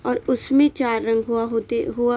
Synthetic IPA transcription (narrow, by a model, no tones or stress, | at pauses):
ɔːɾʊsmẽt͡ʃaːɾːɐ̃ŋɡɦuaɦot̪eɦua